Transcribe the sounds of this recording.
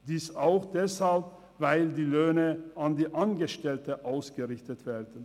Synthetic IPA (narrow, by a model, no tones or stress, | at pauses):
d̥iːsaʊxd̥ɛshalp | vaɪldiːløːnəandiːʔanɡəʃtɛltəʔaʊsɡ̥əʁɪçtətv̥ɛːɐdən̩